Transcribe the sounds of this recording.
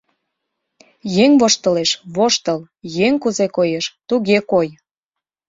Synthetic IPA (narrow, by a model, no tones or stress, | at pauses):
jeŋβoʃt̪əleʃβoʃt̪əl | jeŋkuzekojeʃt̪uɣekoj